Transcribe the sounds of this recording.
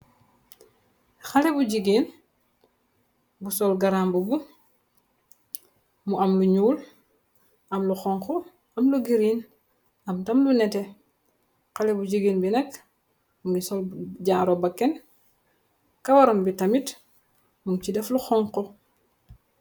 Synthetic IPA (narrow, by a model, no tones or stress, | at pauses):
xalɛbuɟiɡiːn | busɔlɡaɾambubu | muɐmluɲuːl | ʔɐmluxɔŋkɔ | ɐmluɡiɾin | ɐmtɐmlunɛtɛ | xalɛbuɟiɡiːnbinɛk | muŋɡisɔlɟaːɾobakːɛn | kɐwaɾɔmbitɐmit | muŋcidɛfluxɔŋkɔ